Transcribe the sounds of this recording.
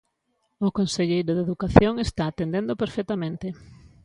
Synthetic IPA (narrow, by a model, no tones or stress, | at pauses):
ʊkonseʎejɾoðeðukaθjoŋest̪aːt̪end̪ẽnd̪opeɾfet̪amẽnt̪ɪ